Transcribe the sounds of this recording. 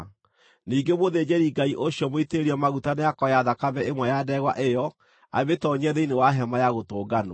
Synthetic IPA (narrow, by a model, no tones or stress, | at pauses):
niːŋɡemoðeːd͡ʑeɾiɡaiʔoɕjɔmoiteeɾiɔmaɣutaneakɔjaðakaβɛemwɛjadɛɣwa̰ʔejɔ | a̰βetɔɲɛðeinewaɦɛmajaɣotoːɡano̰